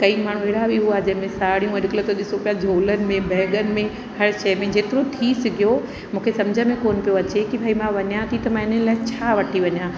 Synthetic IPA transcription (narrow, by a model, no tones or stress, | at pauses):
kɐimaːɳ̤ueːɽ̤abʱiɦuaɦd͡ʑɐ̃ɦɪ̃mẽsaːɽijũɐɾklət̪oɗɪsopijad͡ʑʱoːlənɪ̆mẽbɛːɠənɪ̆mẽ | hɐɽʃɐjmẽd͡ʑeːt̪ɪɾot̪ʰisɪɡʱijo | mũːkʰesɐmd͡ʑʱəmẽkoːnpijoɐt͡ɕekibʱaimãʋɐɲjãt̪ʰit̪ɐmãːɪnənɪlaːɪt͡ɕʰaːʋɐʈʰiʋɐɲjãː